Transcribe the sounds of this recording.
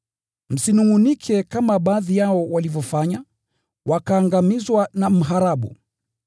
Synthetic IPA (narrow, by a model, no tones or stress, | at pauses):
m̩sinuŋunikʰɛkamaɓaːðijaɔwalivɔfaɲa | wakaːŋɡamizwanam̩ɦaɾaɓṵ